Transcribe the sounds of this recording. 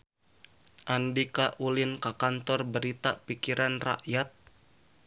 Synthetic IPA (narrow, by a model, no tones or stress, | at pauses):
ʔandikaʔulɪnkakant̪ɔrbəɾit̪apikiɾʔanra̰ʔjat̪̚